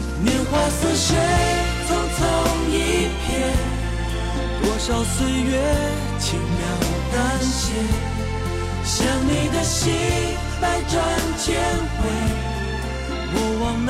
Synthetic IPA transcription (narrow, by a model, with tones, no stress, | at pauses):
njɛ˧˥nxwa˧sɹ̩˧ʂe˥ɪ | t͡sʊ˥ŋt͡sʰo˥ŋi˦pʰjɛ˥n | wʔɔ˨˧˩ɕjɑ˨˩ʊswe˥ɪɥɛ˧˥ | t͡ɕʰi˧˥˩ŋmjɑ˧˩ŋ˨˩t̪a˦˥nɕi˧˥ | ɕjɑ˧ŋni˨˩d̪ə˧ɕi˦˥ | pa˧˥ɪʈ͡ʂwa˧nt͡ɕʰjɛ˥nxwe˧˥ɪ | wɔ˧˩wɑ˨˩ŋn